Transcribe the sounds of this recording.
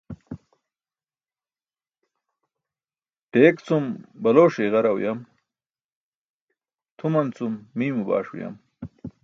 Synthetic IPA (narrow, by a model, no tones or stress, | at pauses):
ʈeːkt͡sumbɐloːʂeːɣɐɾɐw̰jɐm | t̪ʰumɐnt͡sumːiːmuba̰ːʂṵjɐ̰m